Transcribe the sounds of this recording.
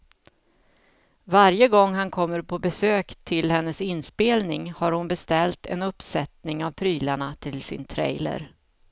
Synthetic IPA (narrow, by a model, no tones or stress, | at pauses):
vaɾjəɡɔŋːɦankʰɔmːəɾpʰɔbɛsøːkt̪ʰɪlhɛnːəsɪnːspeːlnɪŋhaɾhʊnbɛst̪ɛlt̪ɛ̰nɵpsɛt̪nɪŋavpʰɾyːlaɳat̪ʰɪlsɪ̰nt̪ʰɾɛ̰jlə̰ɾ